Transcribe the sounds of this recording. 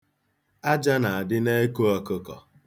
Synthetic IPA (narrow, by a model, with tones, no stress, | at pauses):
a˦d͡ʒa˦na˨a˨dɪ˦ne˦ko˦ɔ˨ko˦kɔ̰˨